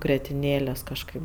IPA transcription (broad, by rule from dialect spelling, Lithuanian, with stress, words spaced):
ɡrʲɛtʲɪnʲˈeːlʲeːs kɐʃˈkɐɪp